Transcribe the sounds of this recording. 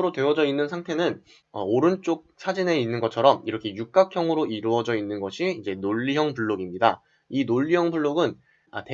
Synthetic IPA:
ɾotwe̞wʌd͡ʑʌinːɯnsʰaŋtʰe̞nɯn | ʌoɾɯnt͡ɕ͈ok̚sʰad͡ʑine̞inːɯnɡʌt͡ɕʰʌɾʌmiɾʌkʰe̞juk̚k͈akʰjʌŋɯɾoiɾuʌd͡ʑʌinːɯnɡʌɕʰiid͡ʑe̞noʎːiɦjʌŋpuɭːoɡimɲida | inoʎːijʌŋbuɭːoɡɯn | ate

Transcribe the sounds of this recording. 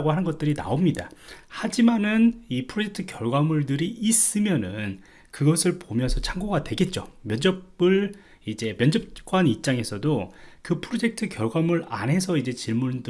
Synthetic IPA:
ɡohanɯnɡʌt̚t͈ɯɾina̰omɲidahad͡ʑimanɯnipʰɯɾod͡ʑe̞k̚tʰɯkjʌɭɡwamuɭdɯɾiːs͈ɯmjʌnɯn | kɯɡʌsʰɯɭpomjʌnsʰʌt͡ɕʰaŋɡoɡadwe̞ɡe̞t̚t͡ɕ͈o̰mjʌnd͡ʑʌbɯɭ | id͡ʑe̞mjʌnd͡ʑʌp̚k͈wanip̚t͡ɕ͈aŋe̞sʰʌdokɯpʰɯɾod͡ʑe̞k̚tʰɯkjʌɭɡwamuɾa̰nɦe̞sʰʌid͡ʑe̞t͡ɕiɭmund

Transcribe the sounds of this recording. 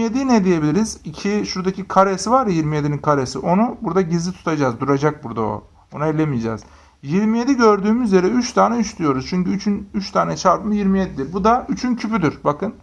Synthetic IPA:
ijed̪inɛd̪ije̞bilʲiɾizicʰiʃuɾd̪acʰikʰaɾesivaɾɾjiɾmijed̪ininkʰaɾesiʔo̞nubuɾd̪aɟizlːʲit̪ʰu̥t̪ʰad͡ʒazd̪uɾad͡ʒak̚buɾd̪ao̰ | onailʲemijed͡ʒɛ̰z̥ | jiɾmije̞d̪iɟø̞ɾd̪yːmyzljeɾɛyt͡ʃt̪ʰaːnɛyʃt̪ʰyjo̞ɾuz̥t͡ʃʰyɲcyyt͡ʃʰynyt͡ʃt̪ʰaːnɛt͡ʃʰaɾpɯmɯjiɾmijed̪id̪iɾbud̪ayt͡ʃʰyncʰypyd̪yɾbakʰɯn

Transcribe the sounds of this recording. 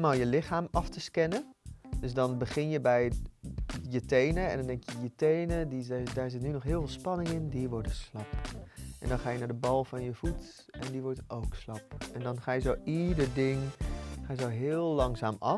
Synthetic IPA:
malˠjəlɪχaːmɑftəskɛnəndɵsdɑnbəχɪnjəbɛj | jətejnəɛ̰ndɔndɛŋkjəjətejnədidaːɹzɪtnynɔχɦɪːlˠvɪːlˠspɑnɪŋɪndiʋɔɹdəslɑpʔɛ̰ndɑnχaːjənaːdəbɑlˠvɑnjəv̥ut | ɛndiʋɔɹtowkslɑpɛndɑnχaːjəzowidəɹdɪŋχaːjəzowɦɪːlˠlɑŋzaːmɑ

